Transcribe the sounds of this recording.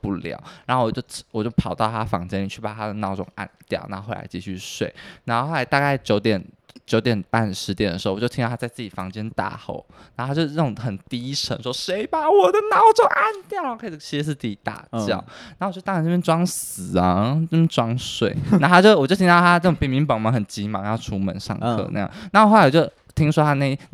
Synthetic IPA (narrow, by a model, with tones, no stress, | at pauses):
pu˥˩ljɑ̰˨˩˦ʊɻa˨˧˦xo˥˩wɔ˨˩t͡ɕo˥˩ʊ˥wɔ˨˩t͡ɕjo˥˩ʊpʰɑ˨˩ʊt̪ɑ˥˩ʊt̪ʰa˥fɑ̰˧˥ŋt͡ɕjɛ˥ni˨˩t͡ɕʰy˥˩pa˨˩t̪ʰa˥d̪ə˨nɑ˥˧ʊʈ͡ʂʊ̰˨˩ŋa̰˥˩nt̪jɑ˥˩ʊna˥˧o˥xo˥˧l̰a̰˧˥ɪt͡ɕḭ˥˧˩t͡ɕʰy̰˥˧ʂwḛ˥˩ɪna˧˥nxo˥˧xo˥˧a˧˥ɪt̪a˥˧ka˥˩ɪt͡ɕjo˧˥ʊt̪jɛ˨˩n | t͡ɕjo˧˥ʊt̪jɛ˨˩npa˥˩nʂɻ̩˧˥t̪jɛ˨˩nd̪ə˩˧˥jo˥˧˩ĩ˥t̪ʰa˥t͡sa˧ɪt͡sɹ̩˥˩t͡ɕi˨˩fɑ˧˥ŋt͡ɕjɛ˥nt̪a̰˥˧xo̰˥˩˦ʊn˧˥o˥˧a˥jo˥˧ə˥˩ʊ˨˧˩ŋxə˨˩nt̪i˥˦ʂʰə̰˧˥ŋʂwɔ˥ʂe˧˥˦ɪba˨wɔ˨˩d̪ə˦nɑ˥˩˥ʊ˨˩t͡ɕo˥˧ʊʔa˥˧nt̪jɑ˥˩ʊ˨kʰɤ˧˥i˨˩t͡ɕʰi˧˥ʂ̩˧˥ʂ̩˥˧t͡si˥˧˩i˧˥t̪a̰˨˩t͡ɕjɑ̰˥˩ʊna˧˥o˨t͡ɕo˥˧˩t̪ɑ˥˩˧nʈ͡ʂə˥˩bjɛ˥nʈ͡ʂwɑ˥ŋs̩˨˩ɐ˦ə˥˩bjɛ˥nʈ͡ʂwɑ˥ŋʂwe˥˩ɪna˥˧t̪a˥t͡ɕjo˥˧ʊ˨˩jo˥˩ʊt̪ʰi˥ɑ˥˧˩a˥ɤ˥˩ʈ͡ʂʊ˨˩ŋpi˨˩mi˧˥ŋpɑ˨˩ŋmɑ˧˥ŋxə˨˩nt͡ɕi˧˥mɑ˧˥ŋjɑ˥˩ʊʈ͡ʂʰu˥mə̰˨˩nʂɑ̰˥˧ŋkʰɤ̰˥˧˨n̰˥˧jɑ̰˨na˥˩wo˨˥la˧˦ɪwjo˥˩ʊ | t̪ʰi˥ŋʂwɔ˥t̪ʰa˥˧ne˥˩